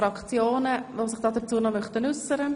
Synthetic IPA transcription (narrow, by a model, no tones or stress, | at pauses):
ɾɑkt͡sjoːnəʋosɪχd̥ɑːdət͡suːənɑmœχt̪ənʏsəɾə